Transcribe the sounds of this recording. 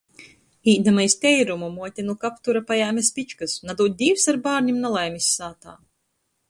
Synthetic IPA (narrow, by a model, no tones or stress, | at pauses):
iːd̪amajst̪ʲɛjɾumumuɔt̪ʲinukapt̪uɾapajaːmʲɛspʲit͡ʃkɨsnad̪uːt̪̚ʲd̪ʲiːwsaɾbaːɾnʲimnalˠajmisʲːaːt̪a̰ː